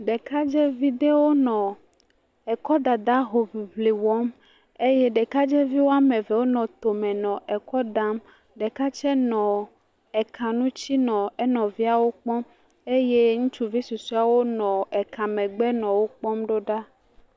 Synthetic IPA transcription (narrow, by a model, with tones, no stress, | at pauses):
ɖɛ˨ka˦d͡ʒɛ˦vi˦d̪e˦wo˦nɔ̃˨ | ɛ˨kɔ˦d̪a˨d̪a˦ɦo˨vi˨vli˨wɔ˦m | e˦jɛ˦ɖɛ˨ka˦d͡ʒɛ˦vi˦wo˦a˦mẽ˨vɛ˨wo˦nɔ̃˨t̪o˨mɛ̃˨nɔ̃˨ʔɛ˨kɔ˦d̪a˦m | ɖɛ˨ka˦t͡ʃɛ˦nɔ̃˨ | ɛ˨kʰã˨nũ˦t͡ɕi˦nɔ̃˨ɛ˦nɔ̃˨vi˦a˨wo˦k͡pɔ̃˦m | e˦je˦ŋũ˦t͡ʃu˦vi˦su˨su˦a˨wo˦nɔ̃˨ɛ˨kʰã˨mɛ̃˨ɡ͡bɛ˦nɔ̃˨wo˦k͡pɔ̃˦mɖo˦ɖa˦